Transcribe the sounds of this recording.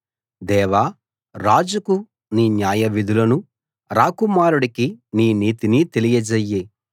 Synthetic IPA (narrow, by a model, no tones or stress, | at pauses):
d̪ɛːʋaː | ɾaːd͡ʒuku | niːnjaːjɐʋid̪ʱulɐnu | ɾaːkumaːɾuɽikiniːniːt̪init̪elijɐd͡ʒɐjːe